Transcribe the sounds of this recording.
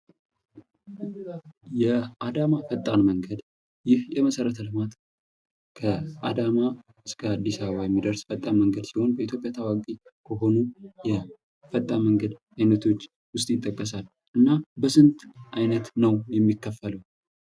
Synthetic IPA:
jɛʔad̪amafət̪ʼːanməŋɡəd̪ | jɪhjɛməsəɾət̪ʰəlɨmat̪ | kʰəad̪ama | ɨskʰəad̪ːisaβəβajɛmːid̪əɾsfət̪ʼːanməŋɡəd̪siho̞nbəit̪ʰjo̞pʼjat̪ʰawakʼikʰəɦo̞nujɛ | fət̪ʼːaməŋɡəd̪ | ajnət̪ʰo̞t͡ʃː | wʊst̪ʼjɪt̪ʼːəkʼːəsal | ʔɨnːabəsɨnt̪ʔajnət̪nəwjɛmːikːəfələw

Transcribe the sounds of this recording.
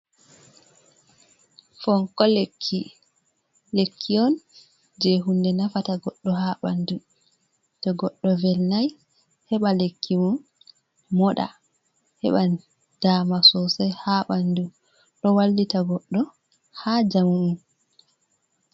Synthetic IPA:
fɔŋkɔlekʰːi | lekʰːiɔn | d͡ʒɛɦundɛnafataɡɔɗːɔhaɓandu | tɔɡɔɗːɔvɛlnaj | hɛɓalekʰːimɔn | mɔɗa̰ | hɛ̰ɓa | d̥aːmasɔsajhaɓandu | ɗɔwalːitaɡɔɗːɔ | had͡ʒamuun

